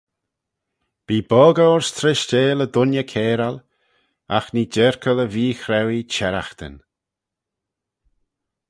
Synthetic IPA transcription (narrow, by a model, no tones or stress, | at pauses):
b̥iːbɔːɡəʊɹst̪ʰɾɪʃd͡ʒeːləd̪ʊnjəkʰeːɾal | axnid͡ʒɛɹkʰələviːxɾɛwit͡ʃɛɾaxt̪ə̰n